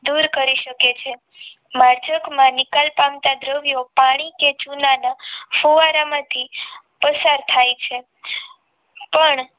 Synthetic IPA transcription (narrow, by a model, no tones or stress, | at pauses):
d̪uɾkəɾiʃəket͡ʃʰe | maɾd͡ʒəkmãnɪkalpamt̪ad̪ɾəʋjopaɽ̃iket͡ʃunanafoʋaɾamãt̪ʰi | pəsaɾt̪ʰajt͡ʃʰe | pəɳ